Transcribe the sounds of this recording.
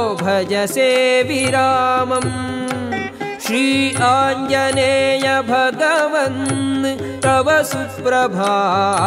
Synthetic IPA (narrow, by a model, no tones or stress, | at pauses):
bʱɐd͡ʒɐseːʋiɾaːmɐm | ʃɾiːaːɲjɐneːjɐbʱɐɡɐʋɐn | tɾɐʋɐsu | ɾɐbʱaːɦ